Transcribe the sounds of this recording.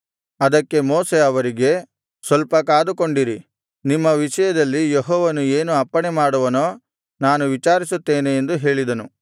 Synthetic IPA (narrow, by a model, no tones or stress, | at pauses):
ɐd̪ɐkːe̞moːseɐʋɐɾiɡe̞ | sʋɐlpɐkaːd̪uko̞ɳɖiɾi | nimːɐʋiʂɐjɐd̪ɐlːijeɦɔːʋɐnueːnuɐpːɐɳemaːɽuʋɐnoː | naːnuʋit͡ʃaːɾisut̪ːe̞ːneend̪uɦe̞ːɭid̪ɐnu